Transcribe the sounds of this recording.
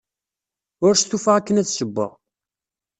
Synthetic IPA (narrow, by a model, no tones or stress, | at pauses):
ʊɾst̪ːufaʁækːənæt͡sːsəbːə̰ʁ